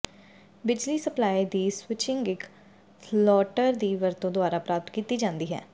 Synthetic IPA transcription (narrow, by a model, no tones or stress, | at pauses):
bɪd͡ʒliːsəplaːid̪iːswɪt͡ʃɪŋɡɪk | pʰlɔːʈəɾd̪iːʋəɾt̪õːd̪ʊaːɾaːpɾaːp̚t̪kiːt̪iːd͡ʒãːnd̪iːɦɛ̰ː